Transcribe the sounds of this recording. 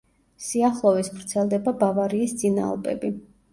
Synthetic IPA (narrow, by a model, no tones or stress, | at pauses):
siaχlˠɔvisvvɾt̪sʰɛlˠd̪ɛbabavaɾiːsd̪zʼina̰ːlˠbɛ̰bi